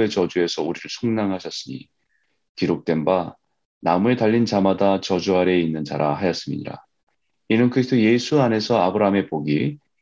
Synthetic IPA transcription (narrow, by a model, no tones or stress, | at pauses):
e̞t͡ɕʌd͡ʑue̞sʰʌuɾiɾɯɭsʰoŋnaŋɦaɕʰʌs͈ɯɲḭ | kiɾok̚t͈e̞nba | namue̞taʎːint͡ɕamadat͡ɕʌd͡ʑuaɾe̞inːɯnd͡ʑa̰ɾa̰hajʌs͈ɯmḭɲḭɾa̰ | inɯnkɯɾisʰtoje̞sʰuane̞sʰʌabɯɾaɦame̞poɡi